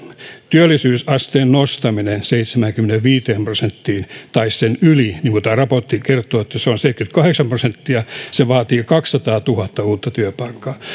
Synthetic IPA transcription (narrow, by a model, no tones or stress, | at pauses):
t̪yølːisyːsɑst̪eːnnost̪ɑminenseit̪semæŋkymeneʋʋiːt̪eːmprosent̪ːiːnt̪ɑissenyliniːŋkut̪æːrɑpot̪ːikert̪ˑoːet̪ːæseonseit̪̚kyt̪kɑheksɑmprosent̪ːiɑseʋɑːt̪iːkɑksːɑt̪ɑːt̪uhɑt̪ːɑuːt̪ːɑt̪yøpɑikːɑː